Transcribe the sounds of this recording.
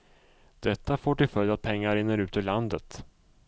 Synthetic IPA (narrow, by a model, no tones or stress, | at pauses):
d̪̥ɛt̪ːafoːʈɪlfœljat̪̚pʰɛŋːaɾɪnːəɾʉ̟ːt̪ɵland̪ət̪